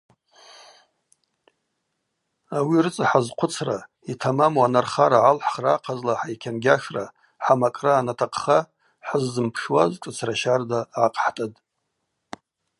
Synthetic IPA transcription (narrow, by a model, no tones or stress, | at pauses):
awirɨt͡sʼaħazqʷʰʊt͡sʰra | itʰamamuanarχaɾaʕalħχraqʰazlaħajkʲʰanɡʲaʂra | ħamakʼraːnatʰaqʰχa | ħazzɨmpʰʂwazkʼɨt͡sʰraʃardaʕaqʼħtʼatʼ